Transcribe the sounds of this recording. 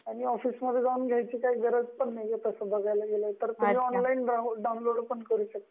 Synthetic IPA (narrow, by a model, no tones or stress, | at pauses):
aɽ̃iɔfiːsməd̪ʱːjed͡zaunɡʱjajt͡ɕiːkaiːɡəɾəd͡zpəɳːajet̪əsəbəɡʱajlaɡelət̪əɾt̪uɦeɔnlainɖaw̃nloɽpəɳkəɾuːɕək̚t̪